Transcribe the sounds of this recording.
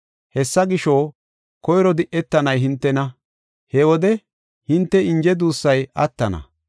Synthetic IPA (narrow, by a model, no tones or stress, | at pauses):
hɛsːɐɡɪʃo | kɔjɾɔd̪ɪʔːɛt̪ːɐnɐjɦɪnt̪ːɛnɐ | hɛwɔd̪ɛ | hɪnt̪ːɛɪnd͡ʒɛd̪uːsːɐjɐt̪ːɐnɐ̰